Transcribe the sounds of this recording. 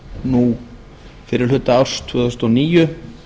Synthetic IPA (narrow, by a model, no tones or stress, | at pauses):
nu | fɪɾɪɾlʏt̪ːaawɾ̥st̪ʰʏːðʏst̪ɔniːjʏ